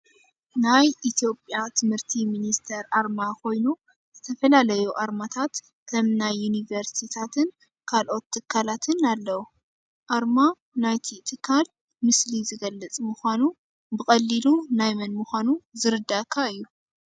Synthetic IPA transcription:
najʔit̪ʰijo̞pʼjat̪ʰɨmhɨɾt̪ʰiminist̪ʰɐɾaɾmakʰo̞jnu | zɨt̪ʰɐfɐlalɐjuʔaɾmat̪ʰat̪ | kʰɐmnajːunivɐɾst̪ʰit̪ʰat̪ʰɨn | kʰalʔo̞t̪ʰːɨkʰːalat̪ʰɨnalːɐwu | ʔaɾma | najt̪ʰit̪ʰɨkʰːal | mɨslizɨɡɐlːɐt͡sʼmɨxʷanu | bɨkʼɐlːilunajmɐnmuxʷanuzɨɾɨd̪ːakʰːaɨjːu

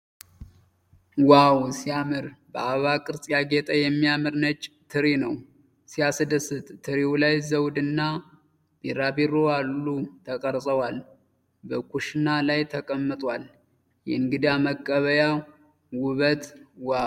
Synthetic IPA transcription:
wawsijamɨɾbəaβakʼɨɾsʼjaɡet̪ʼəjɛmːijamɨɾnət͡ʃʼːt̪ʰɨɾinəw | sijasɨd̪əsɨt̪ʼt̪ʰɨɾiwulajzəwd̪ɨnːa | b̥eɾabiɾojalːut̪ʰəkʼəɾsʼəwal | bəkʰuʃnalajt̪ʰəkʼəmːɨt̪ʼwal | jɛɨŋɡɨd̪aməkʼːəβəja | wʊβət̪wa

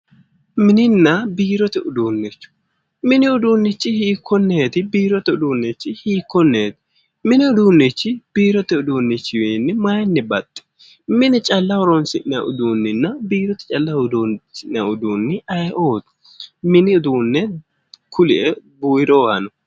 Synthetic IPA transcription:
mɪnɪnːɐbiːɾɔt̪ɛʊd̪uːnːɪt͡ʃːʊ̥ | mɪnɪʊd̪uːnːɪt͡ʃːɪhiːkʰːɔnːeːt̪ɪbiːɾɔt̪ɛʊd̪uːnːɛt͡ʃːɪhiːkːɔnːeːt̪ɪ̥ | mɪnɛʊd̪uːnːɪt͡ʃːɪb̥iːɾɔt̪ɛʊd̪uːnːɪt͡ʃːɪwɛːnːɛmɐjɛnːɛbɐt̪ʼːɛ̥ | mɪnɛt͡ʃʼɐlːɐwɔɾɔnsɪʔnɐʔʊd̪uːnːɪnːɐbiːɾɔt̪ɛ̥t͡ʃʼɐlːɐʊd̪uːnsɪʔnɐʊd̪uːnːɪʔɐjʔoːt̪ʊ̥ | mɪnɪʊd̪uːnːɛ | kʰʊlɪʔɛbuːjɾoːhɐnɔ

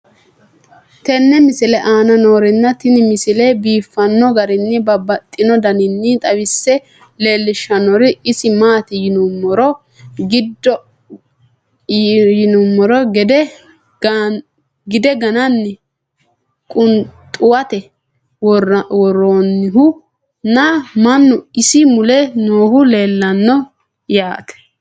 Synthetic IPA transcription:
t̪ɛnːɛmɪsɪlɛʔaːnɐno̞ːɾɪnːɐt̪ɪnɪmɪsɪlɛbiːfːɐnːɔɡɐɾɪnːɛbɐbɐt̪ʼːɪnɔd̪ɐnɪnːɪt̪ʼɐwɪsːɛ | le̞ːlːɪʃɐnɔɾɪɪsɪmaːt̪ɪjɪnʊmːɔɾɔ | ɡɪd̪ːɔ | jɪnʊmːɔɾɔɡɛd̪ɛ | ɡ | ɡɪd̪ɛɡɐnɐnːɛ | kʼʊnt̪ʼʊwɐt̪ɛ | wɔronːɪɦʊ | nɐmɐnːʊɪsɪmʊlɛnoːhʊleːlːɐnːɔ | jaːt̪ɛ̥

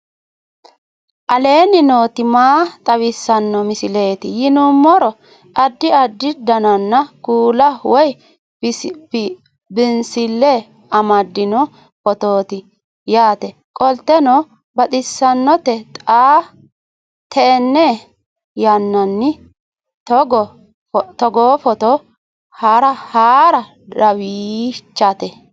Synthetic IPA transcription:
ʔɐle̞ːnɪnoːt̪ɪmaːt̪ʼɐwɪsːɐnːɔmɪsɪle̞ːt̪ɪjɪnʊmːɔɾɔ | ɐd̪ːɪɐd̪ːɪd̪ɐnɐnːɐkuːlɐwɔj | bɪnsɪlːɛ | ɐmɐd̪ːɪnɔ | ɔt̪o̞ːt̪ɪ | jaːt̪ɛ | kʼɔlt̪ːɛnɔ | bɐt̪ʼɪsːɐnːɔt̪ɛt̪ʼaː | t̪ʰɛːnːe | jɐnːɐnːɪ | tɔɡɔ | t̪ɔɡoːfɔt̪ɔ | haɾɐhaːɾɐ | ɐwit͡ʃːɐt̪ɛ

